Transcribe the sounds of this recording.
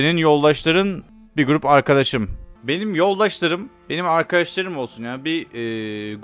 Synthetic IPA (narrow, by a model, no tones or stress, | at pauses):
ninjo̞lˠːaʃlˠaɾɯn | biɡuɾupaɾkʰad̪aʃɯmbe̞nimjo̞lˠːaʃlˠaɾɯmbe̞nimaɾkʰad̪aʃlˠaɾɯmo̞lˠsunjaːnbiɛːɡ